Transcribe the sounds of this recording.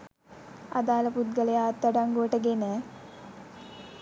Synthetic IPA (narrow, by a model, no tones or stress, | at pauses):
a̰d̪aːləput̪̚ɡələjaːt̪ːəɖaŋɡuəʈəɡenə